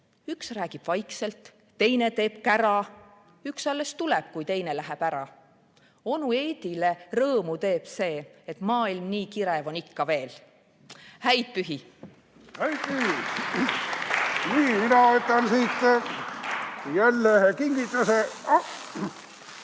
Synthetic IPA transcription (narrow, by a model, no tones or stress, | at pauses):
yksræːɡ̥ib̥vɑjkse̞lt̪ː | e̞jne̞t̪e̞ːb̥kæɾɑ | yksɑlːe̞st̪uleb̥kujt̪e̞jnelæɦeb̥æɾɑ | o̞nue̞ːd̪̥ile̞rɤːmut̪e̞ːb̥se̞ːet̪mɑːilmniːkiɾe̞vo̞nikːɑve̞ːl | hæjd̪̥̚pyɦi | hæjd̪̥̚pyhi | niːminɑot̪ːɑnsiːt̪ː | jælːehkiŋɡ̥it̪ːˑuseɑ